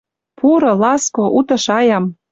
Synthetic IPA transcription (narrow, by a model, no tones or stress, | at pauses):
puɾɤ̆lɑskoʔut̪ɤ̆ʃɑjɑm